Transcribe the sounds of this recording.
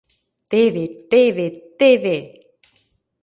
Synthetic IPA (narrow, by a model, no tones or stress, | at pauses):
t̪evet̪evet̪eve